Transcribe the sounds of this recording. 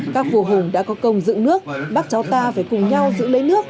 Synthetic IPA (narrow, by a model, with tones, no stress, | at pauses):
kaː˦˥k̚vu˨˩ɦʊ˨˩ŋɗa̰ː˧˥kɔ˨˦kə˨˩wŋ͡mzɨ̰˧˨ŋnɨ˦˥ək̚ɓaː˦˥k̚t͡ɕa˨˦wt̪aː˧faː˧˩jkʊ˨˩ŋ͡mɲa˧wzɨ̰˧˥lə˨˦jnɨ˦˥ək̚